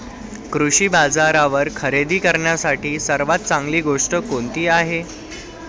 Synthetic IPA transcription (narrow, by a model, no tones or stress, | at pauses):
kɾuɕiːbad͡zaɾaʋəɾkʰəɾed̪iːkəɾɳjasaʈiːsəɾʋat̪̚t͡sãŋɡliːɡoʂʈəkont̪iːaɦe